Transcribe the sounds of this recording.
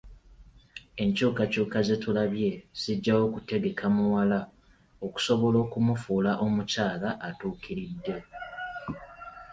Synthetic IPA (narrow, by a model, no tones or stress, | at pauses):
e̞ɲcuːkacuːkaze̞tulaβje̞z̥iɟːawo̞kute̞ɡe̞kʰamuwala | o̞ku̥so̞βo̞lo̞ːkumufuːlaʔo̞mucaːlaʔːtuːkʰiɾidːe̞